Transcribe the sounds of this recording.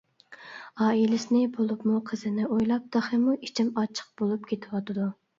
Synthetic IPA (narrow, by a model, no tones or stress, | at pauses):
ɑːilɪsɪnɪbolˠupmuqʰəzɪnɪʔojlˠɑp̚d̪ɑχɨmui̥t͡ʃʰɪmɑt͡ʃʰə̥q̚bolˠup̚kʲʰet̪ʰɪwɑt̪ʰɨd̪u